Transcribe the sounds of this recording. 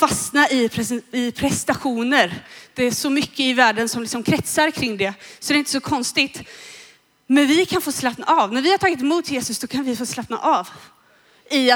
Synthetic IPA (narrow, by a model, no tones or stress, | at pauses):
fasnaʔɪpʰɾɛɪpʰɾɛst̪aɧuːnəɾd̪̥ɛæʂɔmʏkʰːəɪvæːɖənsɔmlɪksɔmkʰɾɛt̪saɾkʰɾɪŋːd̪ɛsɔd̪ɛɾɪnt̪əsɔkʰɔnst̪ɪt̪ | mɛnvɪkʰanfoːslapna̰ʔavnæɾvɪhaɾʈʰɑːɡɪt̪ɪmuːt̪ʰjeːsɵsd̪̥ɔkʰanvɪfoːslapna̰ʔav | ɪ